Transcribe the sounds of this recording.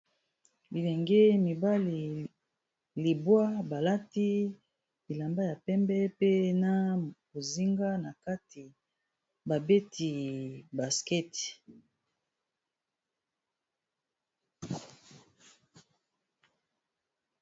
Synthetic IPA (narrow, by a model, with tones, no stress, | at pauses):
bi˨lɛ˨ŋɡɛ˦mi˨ba˦li˨ | li˨bwa˦ba˨la˦ti˦ | bi˨la˨mba˦ja˨pɛ˦mbɛ˦pe˦na˦bo˨zi˦ŋɡa˦na˨ka˦ti˨ | ba˨be˦tʰi˨ba˨skɛ˦t